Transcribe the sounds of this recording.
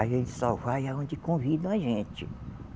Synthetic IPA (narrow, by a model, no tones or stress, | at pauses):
aʒẽt͡ʃɪ̥sawvajaõd͡ʒɪkõvid̪ɐ̃w̃aʒẽt͡ʃɪ